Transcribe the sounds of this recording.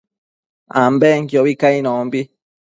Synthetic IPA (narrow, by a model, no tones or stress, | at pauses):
ambɛŋkjoβikainɔ̃mbi